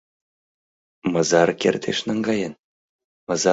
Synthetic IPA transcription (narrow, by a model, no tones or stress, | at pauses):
mɤ̆zɑrkʲert̪ʲʰeʂnɤŋɡɑjɤ̆n | mɤ̆zɑ